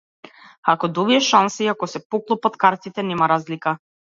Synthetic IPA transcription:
akɔd̪ɔviɛʃansiakɔsɛpɔklˠupɔt̪kaɾt̪it̪ɛnɛmaɾazlika

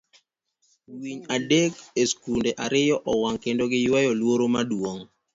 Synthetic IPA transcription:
wiɲadekeskundeʔaɾɪjɔʔɔwaŋkendoɡɪjwajɔlwoɾomadwoŋ

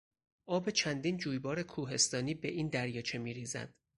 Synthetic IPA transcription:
ʔɒːbe̞t͡ʃʰænd̪iːnd͡ʒuːjbɒːɾe̞kʰuːɦe̞st̪ɒːniːbe̞ʔiːnd̪æɾjɒːt͡ʃʰe̞miːɾiːzæ̰d̪̥

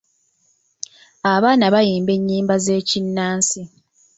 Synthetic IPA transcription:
aβaːnaβajiːmbe̞ɲːiːmbaze̞ːcinːaːnsi

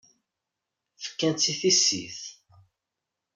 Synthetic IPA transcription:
fə̥kːænt͡sːiθisḭθ

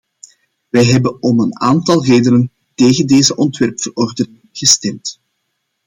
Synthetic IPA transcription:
ʋɛjɦɛbənɔməna̰ːntɑlˠreːdənən | teːɣəndeːzəʔɔntʋɛrpfərɔrdənɪŋɣ̥əstɛmt

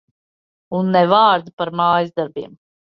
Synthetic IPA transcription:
unːɛvaːɾd̪apaɾmaːjzd̪aɾbiːm

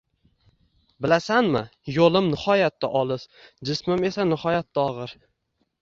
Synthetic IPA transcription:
bɪlasanmɪjolɪmnɪhɒjat̪ːaʔɒlˠɪsd͡ʒɪsmɪme̞sanɪhɒjat̪ːaɒʁɨɾ

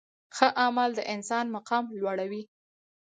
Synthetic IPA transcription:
xəʔamald̪əʔɪnsɑnmaqɑmlwaɽawi

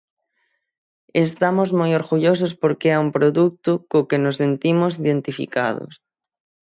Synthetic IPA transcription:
est̪amozmojoɾɣuʎos̬ospoɾkeaumpɾoðuk̚t̪ʊkokenosent̪imos̬iðent̪ifḭka̰ðo̰s

